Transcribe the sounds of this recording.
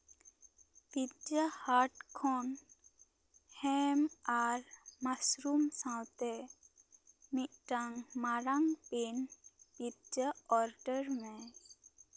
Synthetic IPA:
pitd͡ʒəhaːɾʈkʰɔn | hemaɾmasɾumsãwt̪e | miʈaŋmaɾaŋpenpitd͡ʒəɔːɾɖəɾmẽ

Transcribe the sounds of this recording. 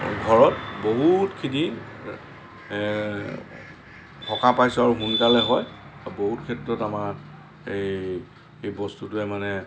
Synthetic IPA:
ɡʱɔɹɔtboɦutkʰiti | pʰɔkapajsaɹuxunkalɛɦɔj | boɦutkʰɛtɹɔtamaɹ | ej | ejbɔstutʊɛmanɛ

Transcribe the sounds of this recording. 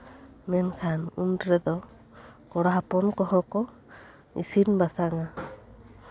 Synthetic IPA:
mɛnkʰanuntɾɛd̪ɔ | kɔɽaɦapɔnkɔɦɔkɔ | ḭsinbasaŋa

